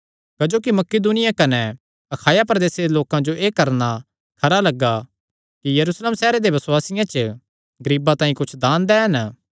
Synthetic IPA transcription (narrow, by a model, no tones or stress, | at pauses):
kɐd͡ʒoːkimɐkid̪uːnɪjakɐnɛ | ɐkʰaːjapɾɐd̪eːsed̪eloːkãd͡ʒoʔeːkɐɾna | kʰɐɾalɐɡːa | kijɐɾuːsleːmsɛːɾed̪ebɐswaːsɪjãt͡ʃə | ɡɐɾiːbãt̪ãːĩkʊt͡ʃʰd̪aːnd̪ɛɦɐn